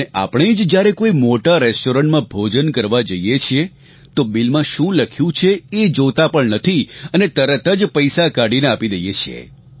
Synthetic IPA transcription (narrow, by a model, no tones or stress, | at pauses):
neʔa̰pəɳ̃ed͡ʒd͡ʒjaɾekoimoʈaɾɛsʈoɾəɳʈmãbʱod͡ʒənkəɾʋad͡ʒəjjet͡ʃʰie | t̪obilmãʃũləkʰjũt͡ʃʰeed͡ʒot̪apəɳnət̪ʰiənet̪əɾət̪əd͡ʒpəjsakaɽineapid̪əjet͡ʃʰḛ